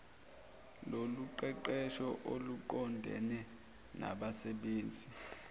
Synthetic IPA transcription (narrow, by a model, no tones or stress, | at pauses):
loluǃɛǃɛʃɔʔoluǃɔndʱɛ̰nɛ | na̰ɓasɛɓeːnd͡zʱi